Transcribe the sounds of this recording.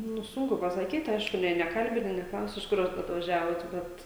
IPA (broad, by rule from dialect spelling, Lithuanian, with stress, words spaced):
nʊ ˈsʊŋkʊ pɐsɐˈkʲiːt ˈɐɪʃkʊ ˈnʲɛɪ nʲɛˈkɐlʲbʲɪnʲɪ nʲɛˈklˠɐʊsʲɪ ɪʃ ˈkʊr ɐt ɐtʋɐˈʒʲæːʋoːt ˈbʲɛt